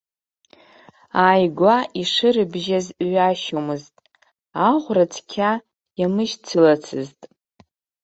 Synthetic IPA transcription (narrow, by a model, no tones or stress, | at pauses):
aːjɡʷaʔiʂɨɾɨbʒazɥaʃomɨztʼ | aʁʷrat͡sʰkʲʰa | jamɨʒt͡sʰɨlat͡sʰɨztʼ